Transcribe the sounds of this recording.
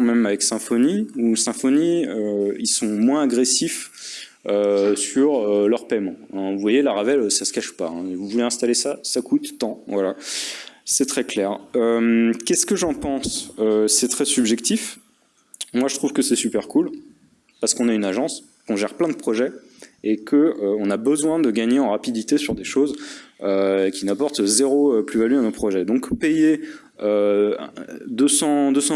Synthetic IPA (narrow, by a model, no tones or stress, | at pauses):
mɛmavɛksɛ̃fɔniusɛ̃fɔniøilsɔ̃mwɛ̃aɡʁesif | øsyʁølœʁpɛmɑ̃ɛ̃vuvwajelaʁavɛløsasə̥kaʃpa̰ɛ̰̃vuvuleɛ̃st̪alesasakut̪ːɑ̃vwala | sɛt̪χɛklɛʁømkʲɛskəʒɑ̃pɑ̃søsɛt̪χɛsybʒɛkt̪if | mwaʒət̪χuv̥kəsɛsypɛʁkul | paʁsə̥kɔ̃naynaʒɑ̃s | kɔ̃ʒɛʁplɛ̃d̪əpχɔʒɛ | ekʰəøɔ̃nabəzwɛ̃d̪əɡaɲeɑ̃ʁapid̪it̪esyʁd̪eʃozøkʲinapɔʁt̪zeʁoplyvalyanopχɔʒɛd̪ɔ̃kpeje | ø | d̪øsɑ̃d̪øsɑ̃